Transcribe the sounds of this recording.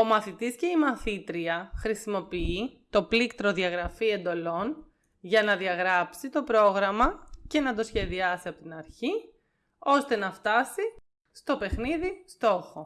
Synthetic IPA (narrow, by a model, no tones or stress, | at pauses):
o̞mɐθit̪isce̞imɐθit̪ɾiɐxɾisimo̞piit̪o̞plikt̪ɾo̞ðiɐɣɾɐfie̞nd̪o̞lo̞n | ʝɐnɐðiɐɣɾɐpsit̪o̞pɾo̞ɣɾɐmɐce̞nɐt̪o̞sçe̞ðiɐsiɐpo̞t̪inɐɾçi | o̞st̪e̞nɐft̪ɐsi | st̪o̞pe̞xniðist̪o̞xo̞